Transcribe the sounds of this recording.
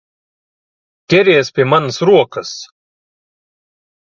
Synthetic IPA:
kʲɛɾʲeːjspʲiɛmansɾuɔkəs

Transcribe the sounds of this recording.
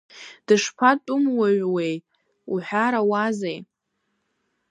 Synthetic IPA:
d̥ɨʂpʰatʼʊmwaɥʷwej | uħʷᶣaɾawazej

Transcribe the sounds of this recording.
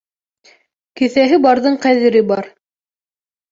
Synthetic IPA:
kɘ̆θæɦɘbɑɾðɤɴqæðɘ̆ɾɘbɑɾ

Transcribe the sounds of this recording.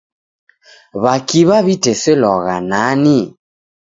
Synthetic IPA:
βakiβaβitɛsɛlɔɣanani

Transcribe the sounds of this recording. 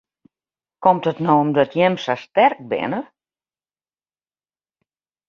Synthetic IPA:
kɔmtətnowɔmdɔtjɛmsastɛrk̚bɪ̰nə

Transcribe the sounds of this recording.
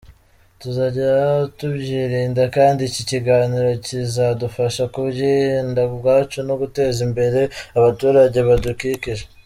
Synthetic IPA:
tuzaɟatubɟiːɾiːndakaːndiciciɡaːniɾocizadufaʃakuβɟendabɡaːt͡ʃunoɡute̞ːzimbe̞ɾe̞aβatuːɾaɟe̞βadukiciʒe

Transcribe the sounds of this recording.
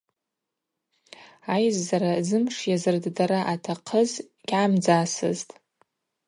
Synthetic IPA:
ajzːaɾazɨmʂjazɨrddaɾaʔatʰaqʰəz | ɡ̥ʲʕamd͡zaːsɨ̰ztʼ

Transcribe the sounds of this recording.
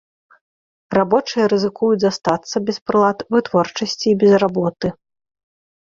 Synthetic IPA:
rabɔt͡ʂɨjɐɾɨzɨkujud͡zʲzast̪at̪sːɐbʲɛspɾɨlˠat̪vɨt̪vɔrt͡ʂɐsʲt͡sʲiːbʲɛzrabɔt̪ɨ

